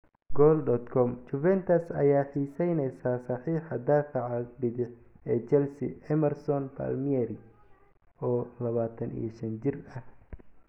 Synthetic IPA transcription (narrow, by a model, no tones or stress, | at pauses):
ɡɔːld̪ɔd̪kʰɔmt͡ʃʊfɛnt̪ʰɐsɐ̰jaːħiːsɛjnɛjsaːsɑħiːħɑd̪aːfɐʕɑlbɪðɪħ | ɛːt͡ʃɛlsɪ̰ʔɛmɛrsɔnpʰa̰lmiɛɾɪ | ɔːlɐβaːt̪ʰɐnḭjɐʃɐnt͡ʃɪrɐh